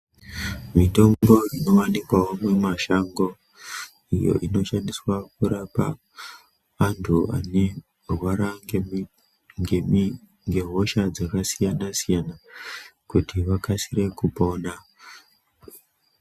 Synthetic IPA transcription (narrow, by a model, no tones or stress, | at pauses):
mito̞ŋɡo̞ino̞ʋanikwawomwemaʃaŋɡo̞ | ijo̞̰ʔino̞ʃandiswakuɾapa̰ | ntʰua̰ne̞ | rwaɾa | ŋɡem | ŋɡe̞ɦo̞ʃad͡zakasijanasijanakutiʋakasire̞kupo̞na